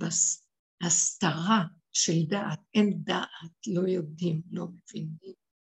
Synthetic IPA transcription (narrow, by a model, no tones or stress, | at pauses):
bas | hast̪aʁa | ʃeld̪aʔat̪̚emd̪aʔatlo̞jo̞d̪imlo̞mevinim